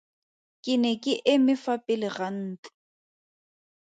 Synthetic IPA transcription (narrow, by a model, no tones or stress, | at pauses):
kʼɪnɛkʼɪʔɪmɪfapʼɪlɪɣan̩ːt͡ɬu̥